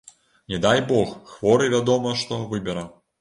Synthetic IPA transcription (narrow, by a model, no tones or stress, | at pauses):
nʲɛd̪ajbɔxxvɔɾɨvʲad̪ɔmɐʂt̪ɔvɨbʲɛɾɐ